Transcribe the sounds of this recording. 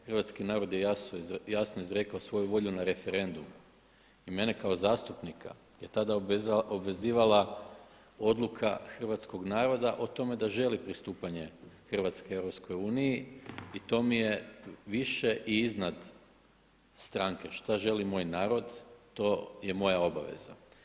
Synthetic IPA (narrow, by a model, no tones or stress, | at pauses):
xr̩ʋat̪skinaːɾo̞d̪jejasojasnoizɾe̞kaosʋo̞juʋo̞ʎunaɾe̞fe̞ɾe̞nd̪um | ime̞ne̞kao̞zaːst̪upnikʰa̰ | jet̪ad̪aobʋe̞ziːʋala | o̞d̪lˠukʰaxr̩ʋat̪sko̞ɡnaːɾo̞d̪aʔot̪o̞me̞d̪aʒe̞lipɾist̪uːpaɲe̞xr̩ʋat̪skee̞ʋɾopsko̞juːnijiit̪o̞mije̞ʋiʃe̞ʔiiznad̪ | st̪ɾaŋkeʃt̪aʒe̞limo̞ːjnaːɾo̞d̪t̪o̞je̞mo̞jao̞ba̰ʋḛza̰